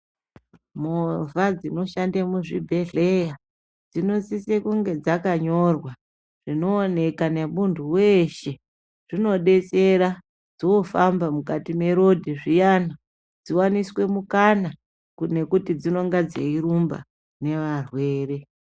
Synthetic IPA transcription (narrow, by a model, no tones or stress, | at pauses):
movad͡zino̞ʃandamuʐibʱe̞ɮe̞ja | d͡zino̞sisekuŋɡe̞d͡zakaɲo̞rwa | ʐ̥ino̞ːne̞kane̞munduwe̞ʃe̞ | ʐ̥ino̞ɗe̞t͡se̞ɾa | d͡zoofambamukatime̞ɾo̞dʱiʐijana | d͡ziwaniswe̞mukana | kne̞kutid͡zino̞ŋɡad͡zeiɾumba̰ | ne̞ʋarwe̞ːre̞